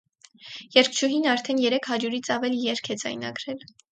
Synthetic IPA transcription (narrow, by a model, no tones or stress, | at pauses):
jɛɾk̚ʰt͡ʃʰuɦinɑɾt̪ʰɛnjɛɾɛkʰhɑɾjuɾit͡sʰɑvɛlijɛɾkʰɛd͡zɑ̰jnɑ̰ɡɾɛl